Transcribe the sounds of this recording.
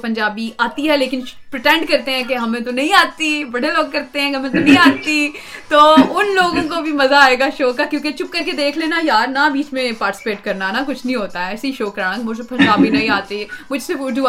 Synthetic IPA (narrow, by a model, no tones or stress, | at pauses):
pɐ̃ɲd͡ʒaːbiʔaːt̪iɦɛleːkɪn | pɾɪʈɛ̃ɳɖkɐɾt̪eɦɛ̃k̬eɦɐmẽt̪onɐ̃ɦĩaːt̪ibɐɽeloːɡ̚kɐɾt̪eɦɛ̃kmẽt̪onɐɦĩaːt̪it̪oːʊnloːɡõkobʱimɐzaːeːɡaʃoːkːakjõːket͡ʃʊp̚kɐɾked̪eːkʰleːnajaːɾnabiːt͡ʃmẽpaːʈɪ̥sɪ̥peːʈkɐɾnanakʊt͡ʃʰnəĩɦoːt̪aɦɛɛːseiʃoːkɐɾaːə̃ŋɡmʊspɐ̃ɲd͡ʒaːbinɐɦĩaːt̪imʊd͡ʒʱseʊd͡ʒu